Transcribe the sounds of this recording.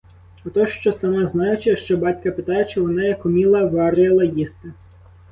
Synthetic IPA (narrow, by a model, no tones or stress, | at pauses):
ɔt̪ɔʃt͡ʃɔsɐmɑznɑjʊt͡ʃɪʃt͡ʃɔbɑtʲkɐpɪt̪ɑjʊt͡ʃɪʋɔnɑjɐkʊmʲilˠɐʋɑɾjɐlˠɐjist̪ɪ